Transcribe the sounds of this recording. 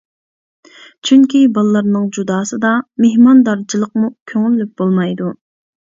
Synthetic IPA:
t͡ʃʰyŋkʲibɑlˠlˠɑɾnɨŋd͡ʒud̪ɑːsɨd̪ɑmehmɑnd̪ɑɾt͡ʃʰilˠəqmukʲʰøŋylːyp̚b̥olˠmɑjd̪u

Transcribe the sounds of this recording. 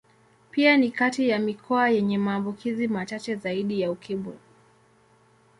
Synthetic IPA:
pianikatijamikʰɔajɛɲɛmaːmbukʰizimat͡ʃat͡ʃɛzaiɗijaukʰiɓṵ

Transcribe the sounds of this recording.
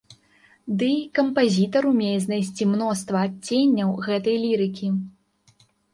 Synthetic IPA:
d̪ɨkɐmpazʲit̪ɐɾumʲejɛznajsʲt͡sʲimn̪ɔst̪vɐːt͡st͡sʲːenʲːɐwɣɛt̪ɐjlʲiɾɨkʲi

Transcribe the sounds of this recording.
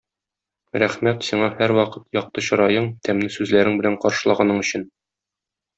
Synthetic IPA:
ɾæχmæt̪siɴɑhæɾwɒqɤt̪jɒq̚t̪ɤɕɒ̆ɾɑjɤɴt̪æmnɘsʉzlæɾɘŋbɘ̆læɴqɒɾʃɤ̆lˠɑʁɑnɤɴɵ̆ɕɘn

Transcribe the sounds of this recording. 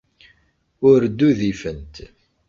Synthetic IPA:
ʊɾd̪ːuðifənt̪

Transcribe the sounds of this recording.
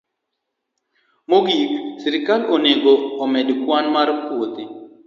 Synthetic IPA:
moɡiksɪɾɪkaloneɡoːmɛdkwanmarkwot̪i

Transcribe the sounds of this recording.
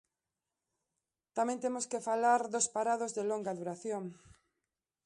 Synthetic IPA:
t̪amẽnt̪emoskefalaɾðospaɾaðozðɪloŋɡaðuɾaθjoŋ

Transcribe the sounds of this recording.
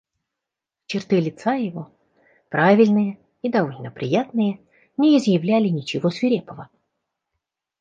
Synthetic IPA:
t͡ɕɪrt̪ɨlʲɪt̪sajɪvo̞ | pɾavʲɪlʲnɨjə | id̪ɐolʲnəpɾʲɪjat̪nɨjə | nʲɪɪzjɪvlʲælʲɪnʲɪt͡ɕɪvosvʲɪɾʲepəvə

